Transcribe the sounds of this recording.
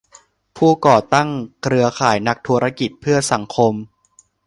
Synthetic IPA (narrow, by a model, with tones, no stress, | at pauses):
pʰuː˥˩kɔː˨˩t̪a˥˩ŋkʰɾɯ˧ɐkʰaː˩˦jna˦˥k̚t̪ʰuː˧˥ɾa˦˥ki˨˩t̪̚pʰɯ˥˩ɐsa˩˦ŋkʰo˧m